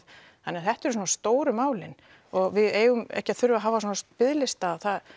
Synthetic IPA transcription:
hanːɛaθɛht̪ɛɾs̬ɔnast̪oːwɾʏmaːwlɪn | ɔɣvɪðeːjɣʏmɛ̰hcɪaθʏɾvaɦaːvasɔnast̪̚pɪðlɪst̪aːðθað

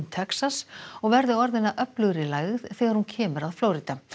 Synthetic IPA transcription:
t̪ʰɛksasɔɣvɛɾðɪɔɾðɪnːaʔœplʏɣɾɪlaːjɣɪðθɛːɣaɾ̥huncʰɛːmʏɾaðfloːwɾiːt̪a

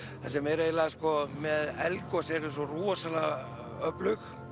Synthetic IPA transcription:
θasɛmɛɾaɛlaðskɔmɛðɛlkɔsɛɾs̬ɔruɔsala | œplʏx

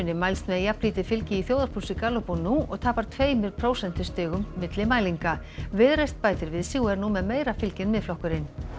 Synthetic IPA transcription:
ʏnːɪmajlst̪mɛðjapliːt̪ɪ̥fɪlcɪiθjoːwðaɾ̥pʰusɪkaːlɔpunːuɔ̰ɣt̪ʰaːpaɾ̥t̪ʰveːjmɪɾpʰɾoːwsɛn̥t̪ɪ̥st̪ɪːɣʏmːɪt̪lɪmaːjliŋka | vɪðɾejst̪̚paːjt̪ɪɾvɪðsiːwɛɾnumɛðmeːjɾafɪlcɪnmɪðflɔhkʏɾɪn

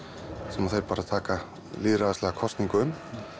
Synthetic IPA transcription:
sɛmaðθejɾ̥paːɾaðt̪ʰaːka | liːðɾaðɛstlɛɣakʰɔst̪niŋkʏʏm

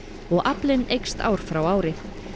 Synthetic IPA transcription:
ɔɣʔaplɪnejkst̪a̰ːwɾ̥fɾawaːwɾɪ

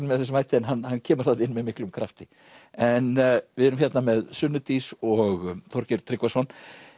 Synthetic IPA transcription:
nmɛðθɛs̬majht̪ɪɛnɦanːhanːcʰɛːmʏ̥ɾ̥θat̪ɪnːmɛðmɪhklʏmkʰɾaft̪ɪ | ɛnvɪɛɾʏmçɛt̪namɛðsʏnːʏt̪isɔɣt̪ʰɔɾcɪɾt̪ʰɾɪkvasɔn

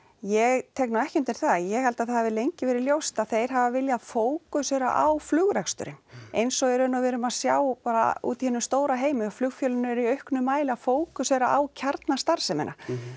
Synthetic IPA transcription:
jɛɣt̪ʰɛknawɛhcʏnt̪ːɪɾ̥θajɛhɛlt̪aðθahavɪlejɲcɪvɛɾɪljowst̪aðθejɾ̥ɦavavɪljaðfoːwkʏsɛɾa̰ʔawflʏɣɾɛkst̪ʏ̰ɾɪ̰nejnsɔɣɛɾʏnːavɛːɾʏmaðsjaːwpaːɾa̰ṵːt̪ihɛnːʏmst̪oːwɾaɦeːjmɪɔflʏɣfjœlʏnʏɛɾiœɥhknʏmaːjlɪafoːwkʏsɛɾaʔawcʰaɾt̪nast̪aɾ̥sɛmɛ̰na̰

